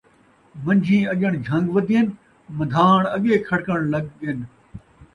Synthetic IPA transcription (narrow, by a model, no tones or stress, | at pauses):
mɐ̃ɲʲd͡ʒʱĩːɐʄəɽ̃d͡ʒʱɐ̃ŋɡʋɐd̪ʱien | mɐd̪ʱaːɳ̃ɐɠeːkʰɐɽkəɽ̃lɐɠən